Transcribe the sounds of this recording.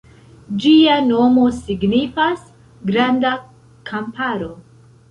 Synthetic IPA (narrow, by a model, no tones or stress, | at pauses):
d͡ʒiano̞mo̞siɡnifas | ɡɾanda | kʰampaɾo̞